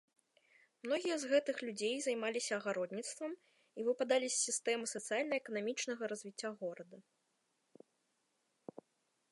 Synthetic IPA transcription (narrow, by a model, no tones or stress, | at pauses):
mnɔɣʲijɐzɣɛt̪ɨxlʲud͡zʲejzɐjmalʲisʲɐːɣaɾɔd̪nʲit̪st̪vɐm | ivɨpad̪alʲisʲːist̪ɛmɨsɐt̪sɨjalʲnɐɛkɐnamʲit͡ʂnɐɣɐɾɐzʲvʲit͡sʲːaɣɔɾɐd̪ɐ